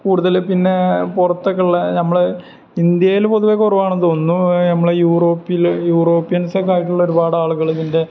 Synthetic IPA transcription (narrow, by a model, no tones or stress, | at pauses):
kuːɽuðɐlpinːe̞purɐt̪ːɐkːɐɭːɐnɐmːɐɭ | ind̪jɐjilpo̞ðuʋekːorɐʋaːɳoðonːunɐmːɐɭejuːro̞ːpːiljuːro̞ːpːijɐnsɐkːaːjiʈ̬ːuɭːɐo̞ɾubaːɽaːɭuɣɐɭðinde̞